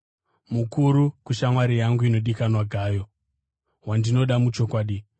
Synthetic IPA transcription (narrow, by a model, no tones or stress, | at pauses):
mukuɾukuʃamwaɾijaŋɡuino̞ɗikanwaɡʱaːjo̞ | wandino̞ɗamut͡ʃo̞kwaːɗi